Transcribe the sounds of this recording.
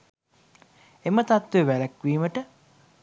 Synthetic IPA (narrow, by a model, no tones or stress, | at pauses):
emət̪at̪ʋeʋæləkʋiːməʈə